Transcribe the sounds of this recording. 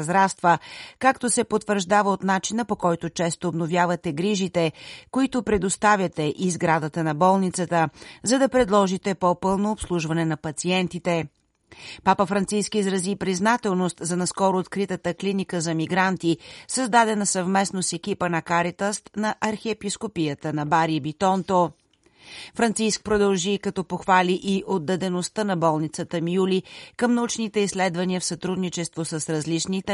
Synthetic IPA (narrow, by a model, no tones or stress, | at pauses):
zɾast̪vəkakt̪osɛpot̪vəɾʒd̪avəot̪nat͡ʃinəpokɔjt̪ʊt͡ʃɛst̪oːbnovjavət̪ɛɡɾiʒit̪ɛkoit̪ʊpɾɛd̪ost̪avʲjət̪ɛʔizɡɾad̪ət̪ənɐbɔlˠnit̪sət̪əzɐd̪ɐpɾɛd̪lˠɔʒit̪ɛpopɤlˠnoːpslˠuʒvɐnɛnɐpɐt̪siɛnt̪it̪ɛ | papəfɾɐnt̪siskiːzɾɐzipɾiznat̪ɛlˠnost̪zɐnɐskɔɾʊːt̪kɾit̪ət̪əklinikəzɐmiɡɾant̪isəzd̪ad̪ɛnɐsɐvmɛsnosɛk̟ipənɐkaɾit̪əst̪nɐʔɐɾxɛɛpiskopijət̪ənɐbaɾibit̪ɔnt̪o | fɾɐnt̪sisk̚pɾod̪ɐlˠʒikɐt̪ɔpoxvaliʔiʔod̪ːɐd̪ɛnost̪ənɐbɔlˠnit̪sət̪əmjulikəmnɐut͡ʃnit̪ɛislɛd̪vɐniəfsɐt̪ɾud̪nit͡ʃɛst̪vosəsɾɐzlit͡ʃnit̪ɛ